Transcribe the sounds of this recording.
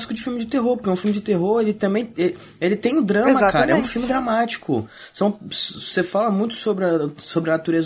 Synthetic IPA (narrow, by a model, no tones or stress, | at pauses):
si̥kʊd͡ʒɪfiumɪd͡ʒɪt̪eɦoɾpoɾkɛũfumɪd͡ʒɪt̪eɦoɾelɪt̪ɐ̃mbẽj̃e | elɪt̪ẽj̃d̪ɾɐ̃mɐkaɾɐɛũfiumɪd̪ɾamat͡ʃi̥kʊ | sɐ̃w̃ssefalɐmũj̃t̪ʊ̥sobɾɪɐsobɾɪɐnat̪uɾez